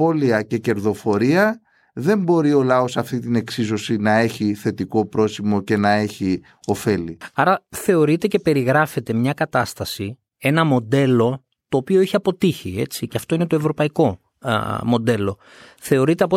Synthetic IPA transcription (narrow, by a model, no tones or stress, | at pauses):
o̞liɐce̞ce̞ɾðo̞fo̞ɾiɐ | ðe̞mbo̞ɾio̞lɐo̞sɐft̪it̪ine̞ksizo̞sinɐe̞çiθe̞t̪iko̞pɾo̞simo̞ce̞nɐe̞çi | o̞fe̞liɐɾɐθe̞o̞ɾit̪e̞ce̞pe̞ɾiɣɾɐfe̞t̪e̞mɲɐkɐt̪ɐst̪ɐsi | e̞nɐmo̞d̪e̞lo̞ | t̪o̞ːpio̞eçiɐpo̞t̪içie̞̰t͡siceɐft̪o̞inet̪o̞evɾo̞pɐiko̞ | mo̞d̪e̞lo̞ | θe̞o̞ɾit̪e̞ɐpo